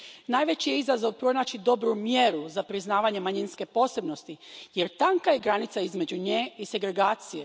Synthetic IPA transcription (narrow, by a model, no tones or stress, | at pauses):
naːjʋe̞t͡ɕijeizazo̞ʋpɾo̞naːt͡ɕid̪o̞bɾumjeɾuzapɾiznaːʋaɲe̞maɲinske̞po̞ːse̞bno̞st̪ije̞ɾt̪aŋkajeɡɾanit̪saizme̞d͡ʒuɲeːise̞ɡɾe̞ɡaːt̪sije